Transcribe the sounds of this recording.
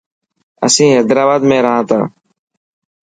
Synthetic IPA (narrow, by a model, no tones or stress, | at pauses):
ə̰sĩːɦed̪ɾaːbaːd̪mẽːɾəɦãːt̪ã̰ː